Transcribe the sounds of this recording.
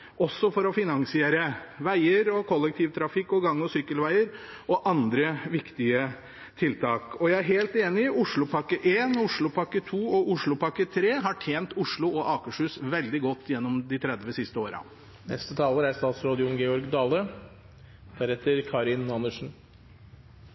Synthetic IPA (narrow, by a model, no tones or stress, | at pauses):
ɔsːɔfɔɾɔfɪnɑŋsɪeːɾəʋæɪəɾɔkʰɔlːɛkt̪ʰɪʋt̪ʰɾɑfɪkːɔɡɑŋːɔsʏkːəlʋæɪəɾ | ɔʔɑnd̪ɾəʋɪkt̪ɪə | t̪ʰɪlt̪ʰɑːkɔjæɪæɾɦeːlt̪eːnɪʔʊʂɭʊpʰɑkːəʔeːnʊʂɭʊpʰɑkːət̪ʰuːɔʔʊʂɭʊpɑkːət̪ʰɾeːɦɑʈʰjeːnt̪ʊʂɭʊɔʔɑːkəʂʉːsʋɛld̪ɪɡɔt̪ːjɛnːɔmd̪ɪt̪ʰɾɛd̪ʋəsɪst̪əoːɾɑ̰ | nɛ̰st̪ət̪ʰɑːləɾæst̪ɑːt̪sɾoːd̪ɪʊnɡɛɔɾɡd̪ɑːlə | b̪̥ʰæɾɛt̪ːəɾkʰɑːɾɪnɑnːəʂn̩